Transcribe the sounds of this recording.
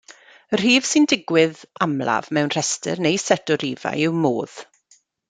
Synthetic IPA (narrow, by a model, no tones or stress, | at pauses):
r̥iːv̥sɪndɪɡwɪðamla̰vmɛwnr̥ɛstɨ̰rnejsɛdɔɾiːva̰jɪwmoːð̥